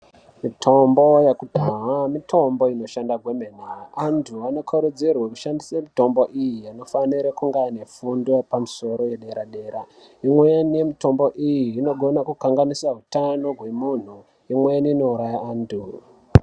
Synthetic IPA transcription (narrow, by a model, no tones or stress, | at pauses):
mitʰo̞mbo̞jekudʱawamitʰo̞mbo̞ino̞ʃandaɡʱwemenaantʰuano̞kʰoɾud͡zirwakuʃandise̞mito̞mbo̞ʔijiano̞faniɾakuŋɡane̞fundoepamuso̞ɾo̞jeɗe̞ɾaɗe̞ːɾa | imwejanije̞mito̞mbo̞ʔijiːno̞ɡʱo̞nakukaŋɡanisaɦutano̞ɡʱwe̞mun̤u | imwejaniːno̞uɾajaaːndʰu